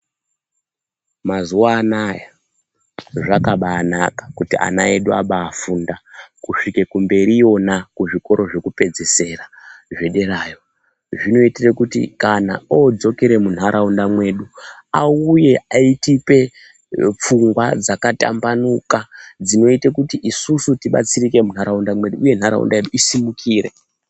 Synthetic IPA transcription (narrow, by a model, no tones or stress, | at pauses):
mazuwaːnaja | ʐakaɓaːnakḁkutiʔa̰nae̞ɗuaɓaːfundakuʂike̞kumbe̞ɾijo̞nakuʐiko̞ɾo̞ʐe̞kupe̞d͡zese̞raʐe̞ɗe̞raːjo̞ | ʐino̞itirekutḭkana̰od͡zo̞keɾe̞mun̤aɾʔaundamwe̞ɗuauje̞aitipe̞ | p͡fuŋɡwad͡zakata̰mbanukad͡zino̞itekutiʔisusutiɓa̰t͡sirike̞mun̤aɾaundamwe̞ɗuːje̞n̤aɾa̰ṵndaeɗuisimukʰiːre̞̰